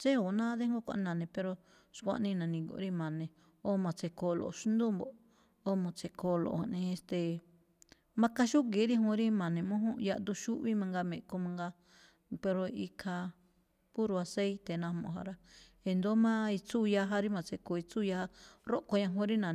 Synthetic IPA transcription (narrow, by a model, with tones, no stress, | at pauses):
t͡ʃe˦o˨nã˦ðe˦ŋ˦ɡo˦kʷã̰˧ʔnã˨nẽ˨pe˧ɾo˧ | ʃkʷã̰˧nĩ˧nã˨nĩ˧ɡo̰˧˨˦ɾi˦mã˨nẽ˨ | o˦mã˨t͡se˧ko˧lo̰˨ʃu˦nd̪u˦mbo˨ʔ | o˦mã˨t͡se˧kʰo˧˨lo̰˨ha̰˧˨nẽ˧e˧st̪e˨ | mã˧ka˧ʃu˦ɡe˨˦ɾi˦ɦũ˧˦ɾi˦mã˨nẽ˨mõ˦ɦõ˦ja˧ʔ̪d̪u˧ʃu˦ʔβi˦mã˧ŋɡa˧mẽ˨ʔko˧mã˧ŋɡa˧ | pe˧ɾo˧i˧kʰa˧ | ku˦ɾu˧a˧se˦i˦t̪e˨nã˧mõ̰˧˨ɦa̰˧ɾa˦ | e˧nd̪o˦mã˦i˧t͡su˦˧ja˧ɦa˧ɾi˦mã˨˧t͡se˧ko˧˨i˧t͡su˦ja˧ha˦ɾo˦ʔko˧ɲã˧ɦõ˦ɾi˦nã˨